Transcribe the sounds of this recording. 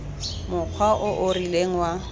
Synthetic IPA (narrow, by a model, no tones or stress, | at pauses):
mʊk͡xʰwaʔʊʔʊrileŋ̩wa